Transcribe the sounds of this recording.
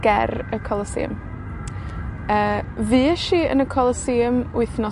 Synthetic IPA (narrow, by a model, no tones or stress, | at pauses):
ɡ̥ɛrəkʰɔlˠəsḭːəm | əːviːɛʃiə̰nəkʰɔlˠəsiːmʊɨθnɔ